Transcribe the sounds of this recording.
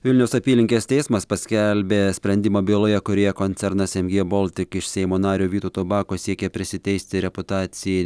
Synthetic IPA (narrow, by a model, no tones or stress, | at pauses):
ʋʲɪlʲnʲɛʊsɐpʲiːlʲɪŋʲkʲeːst̪ʲɛɪsmɐspɐsʲkʲɛlʲbʲeːsʲpʲɾʲɛnʲd̪ʲɪmoːbʲeːlˠoːjɛkʊɾʲeːjɛkonʲt̪sʲɛɾnɐsɛmʲɡʲeːbolˠʲt̪ʲɪkɪʃsʲɛɪmoːnɑːɾʲuːʋʲiːt̪oːt̪obɑːkoːsʲiɛkʲɛpʲɾʲɪsʲɪt̪ʲɛɪsʲt̪ʲɪɾʲɛpʊt̪ɑːt̪sʲɪjɛ